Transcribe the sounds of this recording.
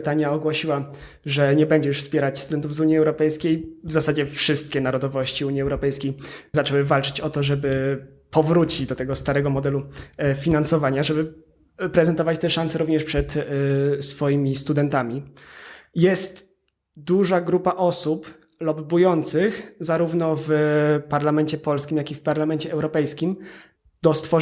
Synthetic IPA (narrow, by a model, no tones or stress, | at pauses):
t̪aɲjaɔɡwɔɕiwa | ʐɛɲɛbɛɲd͡ʑɛʂfspʲjɛɾat͡ɕst̪ud̪ɛnt̪uvzuɲiɛwɾɔpɛjskʲejvzasad͡ʑɛfʂɘst̪̚kʲɛnaɾɔd̪ɔvɔɕt͡ɕiuɲiɛwɾɔpɛjskʲejzat͡ʂɛwɘvalt͡ʂɘ̥t͡ɕɔt̪ɔʐɛbɘ | pɔvɾut͡ɕid͡ʑd̪ɔt̪ɛɡɔst̪aɾɛɡɔmɔd̪ɛlufʲinansɔvaɲaʐɛbɘ | pɾɛzɛnt̪ɔvat͡ɕt̪ɛʂansɛɾuvɲɛʂpʂɛt̪ | sfɔjimʲist̪ud̪ɛnt̪amʲi | jɛst̪ | d̪uʐaɡɾupaʔɔsup | lɔbːujɔnt̪sɘxzaɾuvnɔvpaɾlamɛnt͡ɕɛpɔlskʲimjakʲifpaɾlamɛnt͡ɕɛʔɛwɾɔpɛjskʲim | d̪̥ɔst̪fɔ